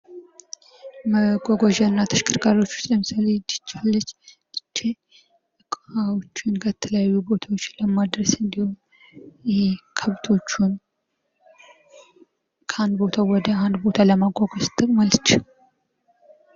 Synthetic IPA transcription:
məɡʼɔɡɔʒənːat̪ʰə̥ʃkʰɨɾkʰaɾo̞t͡ʃːu̥t͡ʃləməsaled͡ʒ̪ɨ̥t͡ʃːalːət͡ʃːt̪ʼɨt͡ʃːe | ɨkʼfawot͡ʃːɪnkʰət̪ʰələjajːubo̞t̪ʰawot͡ʃːləmad̪ɾəsɨnd̪ihom | jɛekʰəβt̪ʰo̞t͡ʃːun | kʰəand̪bo̞t̪ʰawɔd̪əand̪bo̞t̪ʰaləmaɡʼɔɡɔst̪ʰʼɨkʼmalt͡ʃː

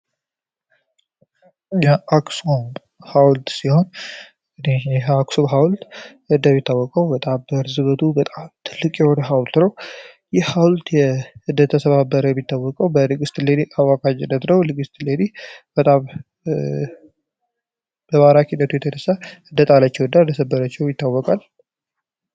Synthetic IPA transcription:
jaʔaksom | hawlt̪siho̞n | ɨnejɛaksoɦawlt̪ | ɨnd̪əmit̪ːawːɔkʼəwbət̪ʼambəɾzɨβət̪ʰubət̪ʼamt̪ʰɨlːɨkʼjɛhonəɦawlt̪nəw | jɛhawlt̪jɛɨnd̪ət̪ʰːəsəβabːəɾəjɛmːit̪ʰːawːɔkʼəwbəlɨɡɨst̪led̪iʔawakad͡ʒɪnːət̪nəwlɨɡɨst̪led̪ib̥ət̪ʼam | b̥əmaɾakʰinːət̪ʰujɛt̪ʰənəsːaɨnd̪ət̪ʼalat͡ʃːɛwnd̪and̪əsəbːəɾət͡ʃːɛwjɪt̪ːawːɔkʼal

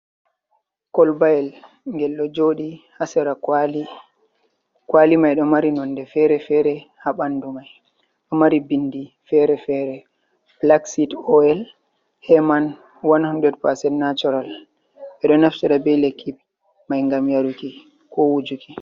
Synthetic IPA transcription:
kɔlbajɛl | ŋɡɛlːɔd͡ʒoɗihasɛɾali | kwalimajɗɔmaɾinɔnːdɛfɛɾɛfɛɾɛhaɓandumaj | ɗɔmaɾibindi | fɛɾɛfɛɾɛ | blaksitɔɛl | hɛman | wanhɔndɛdpasɛdnatɔɾal | ɓɛɗɔnaftiɾabɛlekʰːi | majŋɡamjaɾuki | kʰɔwud͡ʒuki

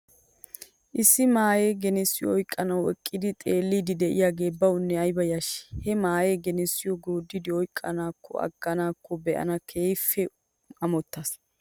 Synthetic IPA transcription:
ʔɪsːɪmaːjeːɡɛnɛsːɪjɔɔjkʼːɐnɐwɛ̰kʼːɪd̪ɪt̪ʼeːlːid̪ɪd̪ɛʔɪ̰jaːɡe̞ːbɐwʊnːɛɐjbɐjaʃɛ̥hɛmaːjeːɡɛnɛsːɪjɔɡoːd̪ːɪd̪ɪɔjkʼːɐnaːkːɔ̰ɐ̰ɡ̥ːɐnaːkʰːɔbɛʔɐ̰nɐkʰeːjfːɛ | ɐmɔt̪ːɐs

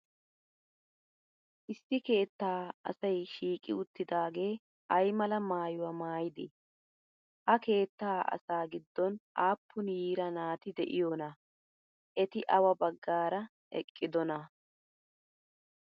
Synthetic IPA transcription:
ʔɪsːɪke̞ːt̪ːaːɐ̰sɐjʃiːkʼɪ̰ʊt̪ːɪd̪aːɡe̞ː | ʔɐjmɐlɐmaːjʊwɐmaːjɪd̪e | ʔɐke̞ːt̪ːaːʔɐ̰saːɡɪd̪ːɔnaːpːʊnjiːɾɐnaːt̪ɪd̪ɛʔɪjɔnɐ | ʔɛt̪ɪʔɐwɐbɐɡːaːɾɐ | ɛ̰kʼːɪd̪ɔnɐ

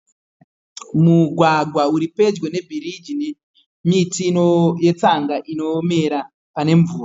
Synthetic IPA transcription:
muɡʱwaɡʱwauɾipe̞d͡ʒwe̞ne̞bʱiɾid͡ʒine | mitinoje̞t͡saŋɡaʔino̞me̞ɾa | pane̞ɱvuːra

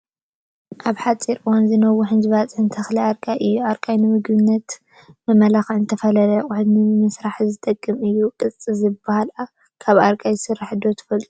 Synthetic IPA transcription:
ʔaβħat͡sʼːiɾɨwanzɨnɐwuħɨnd͡ʒɨβat͡sʼħɨnt̪ʰɐxliaɾkʼaʔɨjːuaɾkʼajnɨmɨɡbɨnːɐt̪ | mɐmɐlaxʕnt̪ʰɐfɐlɐlɐkʼʊħɨd̪nɨmɐsɾaħzɨt̪ʼɐkʼːɨmɨjːukʼɨt͡sʼizɨbahala | kʰaβaɾkʼajɨsɨrːaħɨd̪ot̪ʰɐ̥fɐlt̪ʼu

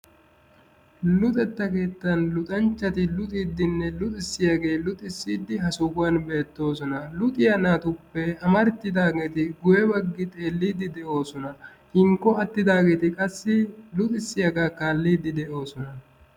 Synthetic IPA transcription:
lʊt̪ʼɛt̪ːɐke̞ːt̪ːɐnlʊt̪ʼɐnt͡ʃːɐt̪ɪlʊt̪ʼiːd̪ːɪnːɛlʊt̪ʼɪsːɪjaɡe̞ːlʊt̪ʼɪsːiːd̪ːɪɦɐsʊkʊwɐnbe̞ːt̪ːo̞ːsɔnɐlʊt̪ʼɪjɐnat̪ʊpːɛɐmɐɾt̪ːɪd̪aːɡe̞ːt̪ɪɡʊjɛbɐɡːɪt̪ʼe̞ːlːiːd̪ɪd̪ɛʔo̞ːsɔnɐ | hɪŋkːɔɐt̪ːɪd̪aːɡeːt̪ɪkʼɐsːɪlʊt̪ʼɪsːɪjaɡaːkaːlːiːd̪ːɪd̪ɛʔo̞ːsɔnɐ

